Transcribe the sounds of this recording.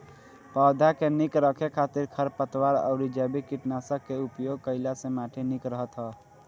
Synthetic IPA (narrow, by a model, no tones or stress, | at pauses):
pəd̪ʱakenikɾəkʰekʰat̪iɾkʰəɾpət̪waɾə̰ʊɾid͡ʒəbikiʈnasəkːeupjoɡ̚kəɪlasẽmaʈʰinikɾəɦət̪ɦə